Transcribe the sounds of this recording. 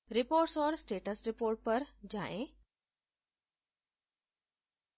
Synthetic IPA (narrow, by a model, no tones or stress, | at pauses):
ɾɪpoːɾʈsɔːɾsʈeːʈəsɾɪpoːɾʈ̚pɐɾd͡ʑa̰ːʔẽ